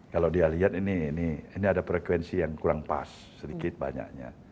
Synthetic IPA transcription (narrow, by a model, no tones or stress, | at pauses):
kalawdialiɦat̪iniːniiniadapɾɛkwɛnsijaŋkuɾaŋpa̰sːədikɪt̪̚ba̰ɲa̰k̚ɲa̰